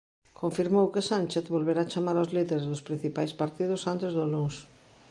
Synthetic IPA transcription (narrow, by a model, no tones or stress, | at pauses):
kõɱfiɾmowkɪsanʲt͡ʃeθβolβeɾaːt͡ʃamaɾawzliðeɾezðʊspɾin̟θipajspaɾt̪ið̞ʊsant̪ezðoluŋs